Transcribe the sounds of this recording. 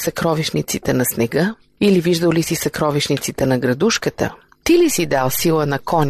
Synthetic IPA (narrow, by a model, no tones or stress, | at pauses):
sɐkɾɔviʃnit̪sit̪ɛnɐsnɛɡɤ | iliviʒd̪əwlisisɐkɾɔviʃnit̪sit̪ɛnɐɡɾɐd̪uʃkət̪ə̰ | t̪ilisid̪alˠsilˠənɐkɔnʲ